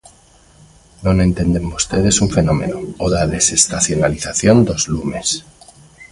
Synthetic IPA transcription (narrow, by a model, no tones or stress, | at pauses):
nõnẽ̞nt̪e̞nd̪emost̪eðe̞suɱfe̞no̞me̞̰nooðaðe̞se̞st̪aθjo̞naliθaθjo̞nd̪o̞zlume̞s